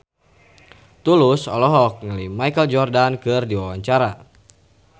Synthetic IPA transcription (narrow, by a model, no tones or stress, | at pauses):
t̪ulʊsɔlɔɦɔk̚ŋəlimajkəld͡ʒɔrdankɨrdiwawaɲt͡ʃaɾa